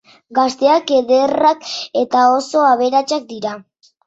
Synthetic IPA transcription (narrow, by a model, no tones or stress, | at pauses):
ɡast̪e̞ake̞ðe̞rake̞t̪ao̞so̞aβ̞e̞ɾat͡ʃak̚d̪iɾa